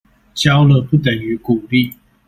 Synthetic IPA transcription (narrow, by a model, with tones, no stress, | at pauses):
t͡ɕjɑ˦ʊlə˧˨pu˥˨t̪ə˨˩ny˨˦ku˨˩li˥˨